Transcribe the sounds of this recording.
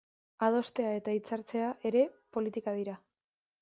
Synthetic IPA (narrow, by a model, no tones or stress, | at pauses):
að̞o̞st̪e̞ae̞t̪ait͡saɾt͡se̞aʔe̞ɾe̞po̞lit̪ikað̞iɾa